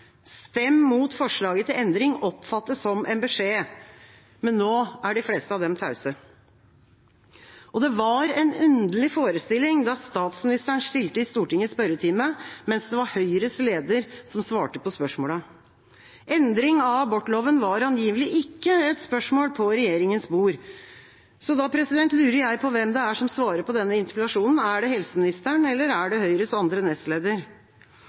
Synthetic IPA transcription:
st̪ɛmːmuːt̪fɔʂɭɑːɡət̪ʰɪlɛnd̪ɾɪŋɔpfɑt̪ːəsɔmʔɛnbɛʂeː | mɛnːoːæɖɪfleːst̪əɑʋd̪ɛmt̪ʰɑʉsə | ʔɔd̪ɛʋɑɾɛnʉnd̪əlɪfoːɾəst̪ɪlːɪŋd̪ɑst̪ɑːt̪smɪnɪst̪æɳʂʈɪlt̪əɪst̪uːʈɪŋːəspœɾət̪ʰɪməmɛnsd̪ɛʋɑɾhœʏɾəsleːd̪əɾsɔmsʋɑːʈəpɔspœʂmoːlə | ɛnd̪ɾɪŋɑbɔʈːloːʋənʋɑɾɑnjiːʋəlɪʔɪkːəɛt̪spœʂmoːlpʰɔɾɛjeːɾɪŋənsbuːɾ | sɔd̪ɑpʰɾɛsɪd̪ɛnt̪lʉːɾəɾjæɪpʰɔʋɛmd̪ɛæʂɔmsʋɑːɾəpʰɔd̪ɛnːəɪnt̪ɪpɪlɑʂuːnn̩æɖɛɦɛlsəmɪnɪst̪əɳɛlːəɾæɖɛhœʏɾəsɑnd̪ɾənɛst̪leːd̪əɾ

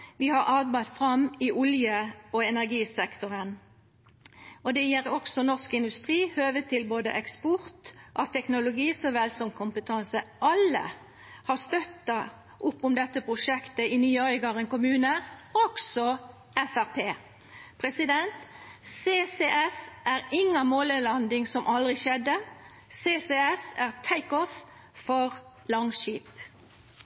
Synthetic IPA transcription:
ʋɪhɑʁʔɑːbɑɪd̪fʁɑmɪʔʊljəɔɛnæʁɡiːsɛkt̪ʊɾən | ɔd̪ɛjɛɾɔksɔnɔʁskɪnd̪ʉst̪ʁiːhøːʋət̪ʰɪlboːd̪ə̰ʔɛkspɔɾt̪ʔɑt̪ʰːɛknʊlʊɡiːsɔʋɛlsɔmkʰʊmpət̪ʰɑnsəʔɑlːə̰ | hɑʁst̪œt̪ːɑ | ʔʊpːʊmd̪ɛt̪ːəpʰʁʊʂɛkt̪əɪnyːɔʏɡɑʁɛnkʊmʉːnəɔɡsɔ | ɛfæʁpʰeː | pʰʁɛsɪd̪ɛnt̪seːseʔɛsʔæɾɪŋːɑmoːləlɑnd̪ɪŋsɔmʔɑld̪ʁɪʃɛd̪ːə | seːseɛsæʁt̪ʰæɪkɔf | fɔʁ | lɑŋʃiːp

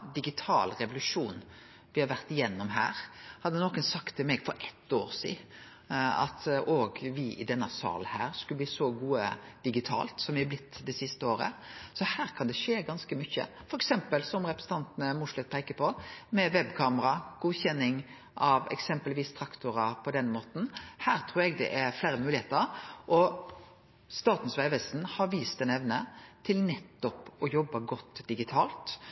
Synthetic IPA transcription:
d̪ɪɡɪt̪ʰɑ̰ːlɾɛʋʊlʉʂuːn | ʋɪhɑɾʋæɾt̪ɪjɛnːɔmɦæ̰ːɾhɑd̪ːənoːkənsɑkt̪ʰːɪlmɛɡfɔɾʔɛt̪ːoːɾsḭː | ɑ̰t̪oːɡʋɪʔɪ̰d̪ɛnːɑsɑ̰ːlnhæːʁskʉlb̪iːsɔɡuːəd̪̥ɪɡɪt̪ʰɑ̰ːlt̪sɔmʋɪhɛblɪt̪ʰːd̪ɛsɪst̪əoːɾə̰sɔhæːɾkʰɑnd̪ɛʂeːɡɑnskəmʏçə̰fɔɾɛksɛmpəlsɔmɾɛpɾɛsn̩t̪ɑnt̪nəmʊʂlɛt̪̚pʰeɪkəpʰɔmɛʋɛbkʰɑːməɾɑɡ̥uːçɛnːɪŋ | ʔɑʋɛ̰ksɛmpəlʋiːst̪ʰɾɑkt̪ʊɾɑpʰɔd̪ɛnmoːt̪n̩hæːɾt̪ʰɾuːɾɛɡd̪ɛ̰ʔæɾflæːɾəmʉːlɪheːt̪əɾʔɔ | st̪ɑːt̪n̩sʋæɪʋɛsn̩hɑɾʋiːst̪ɛnɛʋnət̪ʰɪlnɛt̪ːɔpɔjɔbːɑɡɔt̪ːd̪ɪɡɪt̪ʰɑːlt̪

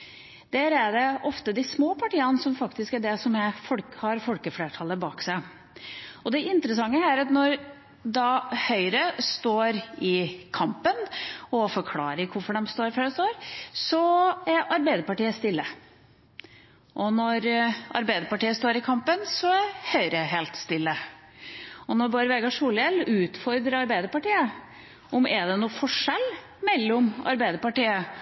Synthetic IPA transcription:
d̪̥æːɾæɖɛʔɔft̪əd̪ɪsmoːpʰɑʈiːənsɔmfɑkt̪ɪskæɖɛsɔmɛfɔlkhɑɾfɔlkəfleːʈʰɑlːəbɑːksæɪ | ɔd̪ɛʔɪnt̪əɾəsɑŋːəæɾɑt̪nɔɾ | d̪ɑhœʏɾəst̪oːɾɪkʰɑmpənɔfɔɾkʰlɑ̰ːɾəɾkʰʊɾfɔɖɛmst̪oːɾføːɖɛst̪oːɾsɔæɾɑɾbæɪd̪əɾpɑʈiːəst̪ɪlːə | ʔɔnɔɾɑ̰ɾbæɪd̪əpɑʈiːəst̪oːɾɪkʰɑmpənsɔæhœʏɾəɦeːlt̪st̪ɪlːə | ɔnɔɾbɑɾʋeːɡɑʂuːljɛlʉːt̪fɔɾd̪ɾəɑɾbæɪd̪əɾpɑʈiːə | ɔmʔɛɖ̪ɛnuːfɔʂɛl | mɛlːɔmɑ̰ɾbæɪd̪əɾpɑʈiːə

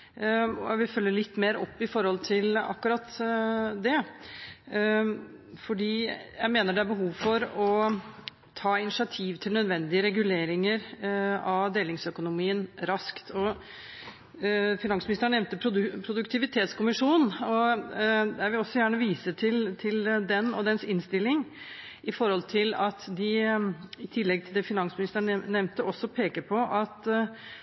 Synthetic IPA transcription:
ɔʋɪfœlːəɭɪt̪ːmeːɾɔpːɪfɔɾhɔlt̪ʰɪlɑ̰kːʉɾɑt̪ːd̪ɛ | fɔɖiːjæɪmeːnəɖɛæbəɦuːʋfɔɾɔ | t̪ʰɑːɪnɪʂɪɑt̪ʰiːʋt̪ʰɪlnœd̪ʋɛnd̪ɪəɾɛɡʉleːɾɪŋəɾɑʋd̪eːlɪŋsœkʊnʊmiːənɾɑskt̪ʰɔ | fɪnɑŋsmɪnɪst̪ɾəɳɛʋnt̪əpʰɾʊpʰɾʊd̪ʉkt̪ʰɪʋɪt̪ʰeːt̪skʊmɪʂuːnnɔ | d̪ɛːʋɪɔsːɔjæːɳəʋiːsət̪ʰɪlt̪ʰɪld̪ɛnːɔ̰d̪ɛnsɪnst̪ɪlːɪŋ | ɪfɔɾhɔlt̪ʰɪlɑt̪d̪ɪ | ɪt̪ʰɪlːɛɡ̚t̪ʰɪld̪ɛfɪnɑnsmɪnɪst̪əɳnɛʋnt̪əʔɔsːɔpʰeːkəɾpʰɔʔɑt̪

